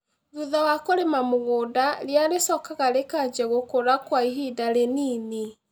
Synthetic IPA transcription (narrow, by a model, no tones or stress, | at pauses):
ðuðawakoɾemamoɣoːdaɾjaɾesɔkaɣaɾekad͡ʒɛɣokoɾakwaiɦidaɾeniːni